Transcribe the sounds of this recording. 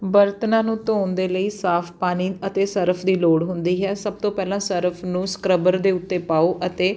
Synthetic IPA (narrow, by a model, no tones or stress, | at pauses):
bəɾt̪nãːnũːt̪oːnd̪eːləiːsaːpʰpaːniːət̪eːsəɾəpʰd̪iːloːɽɦʊnd̪iːɦɛːsəb̚t̪õːpɛːlãːsəɾəpʰnũːskɾəbəɾd̪eːʊt̪ːeːpaːoːʔət̪eː